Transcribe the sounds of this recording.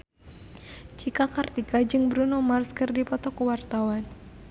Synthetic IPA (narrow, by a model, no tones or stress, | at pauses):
t͡ʃikakart̪ikad͡ʒɨŋbɾunomarskɨrdipɔt̪ɔkuwart̪awan